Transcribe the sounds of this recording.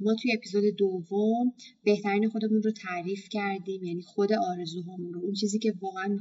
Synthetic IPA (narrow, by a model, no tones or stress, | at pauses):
mɒːt̪ʰujeepʰiːzod̪e̞d̪ovːombe̞ht̪ʰæɾiːnexo̞d̪emunrot̪ʰæɾiːfcʰæɾd̪iːmjæniːxo̞d̪e̞ʔɒːɾe̞zuːɦɒːmunɾount͡ʃʰiːziːcʰe̞vɒːɣeæn